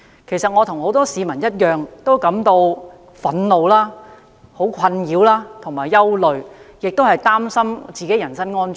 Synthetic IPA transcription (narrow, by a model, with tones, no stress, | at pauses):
kʰe˨˩jsɐ˨t̚ŋɔː˨˧t̪ʰʊ˨˩ŋho˨˥wt̪ɔː˥siː˨˧mɐ˨˩njɐ˥t̚jœː˨ŋt̪o˥wkɐ˨˥mt̪o˧w | fɐ˨˥nlo˨wlaː˥ | ho˨˥wkʰɐ˧njiː˨˧˥wlaː˥t̪ʰʊ˨˩ŋmaː˨˩jːɐ˥wlɵ˨ɥjɪ˨k̚t̪o˥whɐ˨jt̪aː˥msɐ˥mt͡siː˨ke˨˥jɐ˨˩nsɐ˥nŋɔː˥nt͡ʃ